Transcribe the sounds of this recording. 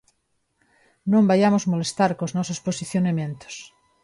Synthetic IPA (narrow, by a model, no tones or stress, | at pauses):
nõmbajamozmolest̪aɾkoznɔsosposiθjonamjẽnt̪o̥s